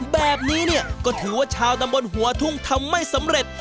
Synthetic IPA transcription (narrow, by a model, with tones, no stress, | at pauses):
bɛː˨˩p̚niː˦˥ni˥˩ɐkɔː˥˩t̪ʰɯː˩˦waː˥˩t͡ɕʰaː˧wt̪a˧mbo˧nɦu˩˦ɐt̪ʰu˥˩ŋt̪ʰa˧mːa˥˩jsa˨˦mɾe˨˩t̪̚